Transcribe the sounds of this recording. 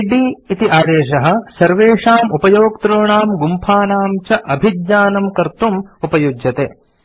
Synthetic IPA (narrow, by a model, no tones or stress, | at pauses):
ɖiːit̪iʔaːd̪eːʃɐɦɐ̆sɐɾʋeːʂaːmupɐjoːk̚t̪ɾoːɳaːmɡumpʰaːnaːmt͡ʃɐʔɐbʱid̪ɲaːnɐmkɐɾt̪umupɐjud͡ʒjɐt̪eː